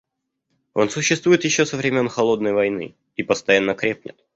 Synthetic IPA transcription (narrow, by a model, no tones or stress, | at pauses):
o̞̰nsʊɕːɪst̪vujɪt̪jɪɕːosəvɾʲɪmʲo̞nxɐlˠo̞d̪̚nəjvɐjnɨ̰ | ipəst̪ɐjanːəkɾʲep̚nʲɪ̰t̪̚